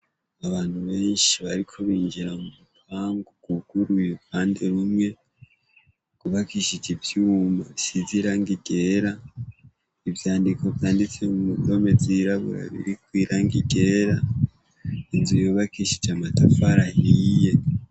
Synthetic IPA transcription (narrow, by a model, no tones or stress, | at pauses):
aβaːn̥huβe̞ːnʃiβaɾikʰo̞βiːɲd͡ʒiɾamumukaːŋɡoɡ̥uɡ̥uɾujukʰaːnde̞ɾumŋe̞ | kuβakiʃid͡ʒivjuːmaβisiziɾaŋɡiɡe̞ɾa | ivjaːndikʰo̞vjaːndit͡seumuɡo̞me̞ziɾaβṵɾa̰βḭɾikwiːɾaŋɡiɡe̞ɾa | inzujoβakiʃid͡ʒamatafaɾahije̞